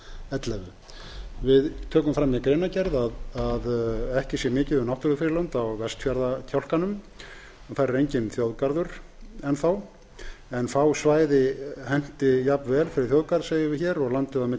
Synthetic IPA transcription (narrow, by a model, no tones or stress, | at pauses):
ɛt̪lɛɣʏ | vɪðt̪ʰœːkʏmfɾamiakɾeːnacɛɾðaðaðɛhcɪsjɛmɪːcɪðʏmnawht̪ʏɾðʏfɪɾɪlœnt̪awvɛst̪fjaɾðacʰawl̥kanʏm | aθajɾʏɾejɲcɪnθjowðkaɾðʏɾ̥ɛnθaw | ɛnθawsvaːjðɪhɛn̥t̪ɪjapvɛːlfɪɾɪɾ̥θjowðkaɾðseːjɪvɪçɛːɾɔɣlant̪ɪðamɪ